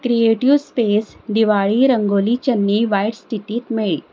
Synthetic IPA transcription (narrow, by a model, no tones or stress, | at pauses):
kɾieːʈiʋspeːsd̪iʋaːɭiɾɐŋɡoːlit͡ʃɐnːiʋajʈsʈit̪it̪meɭi